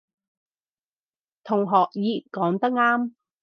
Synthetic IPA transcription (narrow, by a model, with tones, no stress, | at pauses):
t̪ʰʊ˨˩ŋɦɔː˨k̚jiː˨˧kɔː˨˥ŋt̪ɐ˥k̚ŋaː˥m